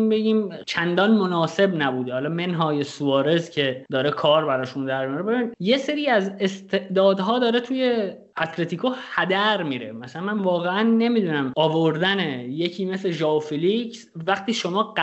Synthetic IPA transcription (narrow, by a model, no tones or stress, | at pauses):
be̞ɟiːmt͡ʃʰænd̪ɒːnmonɒːse̞bnæbuːd̪ehɒːlɒːme̞nɦɒːjesuɒːɾe̞zcʰe̞d̪ɒːɾe̞kʰɒːɾbæɾɒːʃund̪æɾmijoɾebeinje̞se̞ɾiːæzest̪ʰe̞ʔd̪ɒːd̪ɦɒːd̪ɒːɾet̪ʰuːje̞ | æt̪ʰle̞t̪ʰiːkʰohæd̪æɾmiːɾḛmæsælænmænvɒːɣeænːe̞miːd̪uːnæmɒːvo̞ɾd̪ænejecʰiːmesleʒɒːofilicsvæɡt̪ʰiːʃo̞mɒːɢ